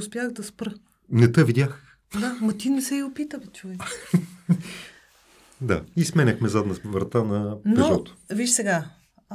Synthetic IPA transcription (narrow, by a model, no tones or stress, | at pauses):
ʊspʲjaxd̪ɐspɾə | nɛt̪əvid̪ʲjax | d̪amɐt̪inɛsɛiopit̪əvɛt͡ʃuvɛ | d̪a̰ismɛnʲəxmɛzad̪nəvɾɐt̪anɐnpɛoɾt̪ʊ̥viʃsɛɡa